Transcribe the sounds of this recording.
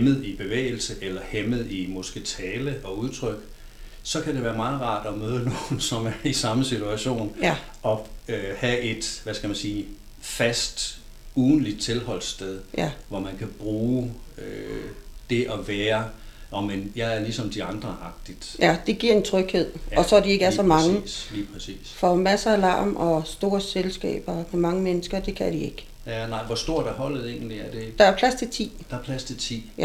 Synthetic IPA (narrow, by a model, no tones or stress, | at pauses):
mð̩ˠib̥e̝ʋḛːɪl̩səʔelɐhemð̞̩ˠimo̝sɡ̥et͡sʰɛːləʔɒ̽uð̞ˠt͡sʰʁœɡ̥ | sɒ̽kʰæd̥eʋæːɐmɑ̈ːðˠʁɑ̰̈ːd̥ɒmøːð̞ˠno̝ːn̩sɒ̽mæɐisɑ̈məsit͡sʰuæɕo̝̰ːn | ʔɒ̽øhæʔe̝d̥ʋæsɡ̥æmænsiː | fæsd̥ | uːn̩lid̥̚t͡sʰe̝lhɒ̽l̰sd̥eð̞ˠʋɒmænkʰæb̥ʁuːø | d̥e̝ʔɒʋæːɐɒmenjɑ̈ɪæɐlisɒ̽md̥iɑ̈nd̥ʁɐʔɑ̈ɡ̥̚d̥id̥jæd̥e̝ɡ̥iɐ̰e̝nt͡sʰʁœɡ̥he̝ð̞̰ˠɒ̽sɒ̽die̝ɡ̥əæɐsɒ̽mɑ̈ŋəliːpʰʁɛsḭːsfɒ̽mæsəælɑ̰̈ːmʔɒ̽sd̥o̝ːɐselsɡ̥ɛ̰ːb̥ɐmemɑ̈ŋəmenəsɡ̥ɐd̥e̝kʰæd̥ie̝ɡ̥ | ænɑ̈ɪ̰ʋɒsd̥o̝ɐ̰d̥ɑɦɒ̽l̰ð̩ˠe̝̰ːn̩liæɐd̥e̝d̥ɑ̈æɐpʰlæst͡sʰe̝t͡sʰḭːd̥ɑ̈ɐpʰlæst͡sʰe̝t͡sʰḭː